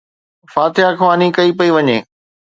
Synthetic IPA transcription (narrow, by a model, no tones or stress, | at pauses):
faːt̪ɪjakʰʋaːnikɐipɐiʋɐɲḛː